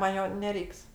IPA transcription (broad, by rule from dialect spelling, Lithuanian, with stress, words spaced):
mɐn ˈjoː nʲɛˈrʲɛɪks